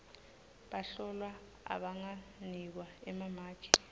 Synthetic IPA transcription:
ɓaɬɔlwa | a̰ɓaŋanik̬waɛmamḁːt͡ʃʰʼi̥

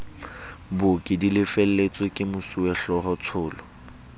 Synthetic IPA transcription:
bʊkʼɪdilɪfel̩let͡sʼekʼɪmʊsuɛɬɔɦʊt͡sʰʊːlɔ

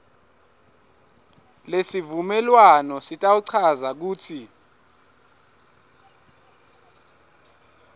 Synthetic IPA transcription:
lesivumɛlwanɔsitʼawuǀʰazak̬uːtʰi

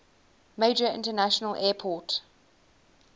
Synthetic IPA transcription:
meɪd͡ʒəɪ̰̃ntənaʃənəlʔɛːpʰɔˑt

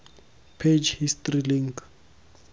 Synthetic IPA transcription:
pʰed͡ʒhistriliŋk

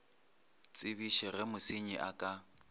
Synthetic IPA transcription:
t͡sʼɪbiʃɪrɪmʊsɪɲɪʔakʼa

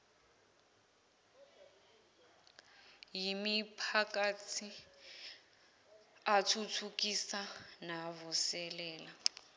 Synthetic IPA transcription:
jimipʰakatʰi | atʰutʰukisanaβusɛlɛːla

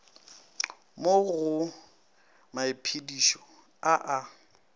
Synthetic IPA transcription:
moɣʊ | maɪpʰidiʃɔ | aʔa

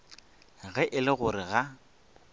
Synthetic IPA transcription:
ɣɛʔɪlɪɣʊɾɪɣa

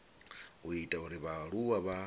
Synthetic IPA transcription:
witʼauɾiβaɺuwaβa

